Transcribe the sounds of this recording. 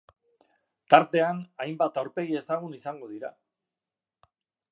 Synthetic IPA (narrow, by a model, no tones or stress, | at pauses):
t̪aɾt̪e̞anajmbat̪awɾpe̞ɣie̞saɣ̞unisaŋɡo̞ð̞iɾa